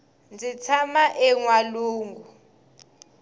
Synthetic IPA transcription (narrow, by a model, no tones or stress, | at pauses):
nd͡zit͡sʰamaʔɛŋwaluːŋɡu